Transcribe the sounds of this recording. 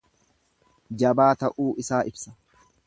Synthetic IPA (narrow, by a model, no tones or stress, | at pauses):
d͡ʒɐbaːt̪ɐʔuːʔɪsaːʔɪbsɐ̥